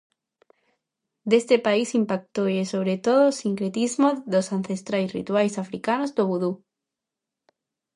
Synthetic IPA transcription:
d̪est̪epaisimpak̚t̪oesoβ̞ɾet̪oðoːsiŋkɾet̪izmoðosanθest̪ɾajsrḭt̪wajsafɾikanozd̪oβuðu

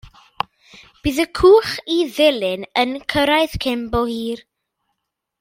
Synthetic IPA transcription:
b̥ɨːðəkʰuːχiðɪlˠɪnənkʰəɾajðkʰɛmbɔhiːr

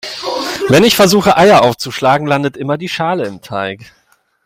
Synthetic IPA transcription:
vɛnɪçfɛɐzuːxəʔaɪɐʔaʊft͡suʃlaːɡŋ̩landətʔɪmɐdiːʃaːləɪmtʰaɪk

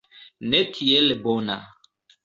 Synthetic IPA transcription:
nekʰielɪbona̰

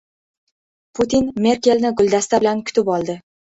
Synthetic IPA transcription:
pʰʊt̪ʰinme̞ɾkʲe̞lnɪɡʊlʲˠd̪ast̪ʰabɪlankʲʰʊ̥t̪ʰɪpɒlˠd̪ɪ

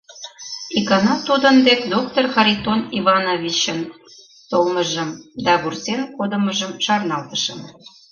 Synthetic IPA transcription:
ikɑnɑt̪ud̪ənd̪ekd̪ok̚t̪orxɑɾʲit̪oniβɑnovʲit͡ɕən | t̪olməʒə̆md̪ɑβursenkod̪ə̆məʒəmʃɑrnɑlt̪ə̥ʃə̆m

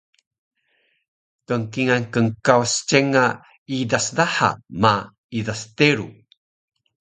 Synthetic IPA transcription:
kəŋkiŋankəŋkawst͡ɕeŋa | idasdaħa̰ma | idasteɾu

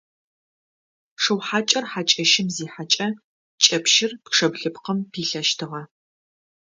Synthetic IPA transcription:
ʂɨwħaːt͡ʃʼɐrħaːt͡ʃʼɐʃɪmziːħat͡ʃʼɐ | t͡ʃʼɐpʃɪrpʂɐbɮɨpqəmpʰiːɬɐʃtʰɨʁɐ

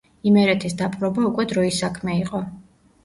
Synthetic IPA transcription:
imɛɾɛt̪ʰisd̪apʼɾɔbaukʼwɛd̪ɾɔisakʰmɛiqʼɔ

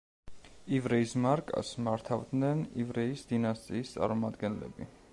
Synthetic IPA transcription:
ivɾɛismaɾkʼa̰smaɾt̪ʰavd̪nɛnivɾɛisd̪inast̪ʼiːst̪sʼa̰ɾmɔmad̪ɡɛnlɛ̰bi

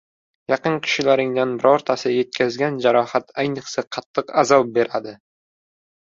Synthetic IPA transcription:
jɑqɨnkʲʰɪ̥ʃɪlaɾɪŋd̪anbɪɾɒɾt̪ʰasɪje̞t̪̚kʲʰazɡʲand͡ʒaɾɒhat̪ajnɨqsaqʰɑt̪ʰːɨqazɒp̚be̞ɾad̪ɪ

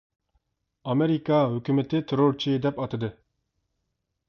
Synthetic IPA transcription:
ɑmeɾikɑɦykʲymet̪ʰɪt̪ʰeɾoɾt͡ʃʰid̪ɛpɑt̪ʰɨd̪ɨ

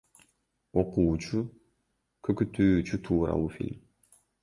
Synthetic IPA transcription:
oquːt͡ʃʰu | kʰøkyt̪ʰyːt͡ʃyt̪ʰuːɾɑ̰wufḭlʲm

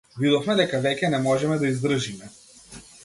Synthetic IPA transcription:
vid̪ɔfmɛd̪ɛkavɛcʲɛnɛmɔʒɛmɛd̪aizd̪r̩ʒimɛ

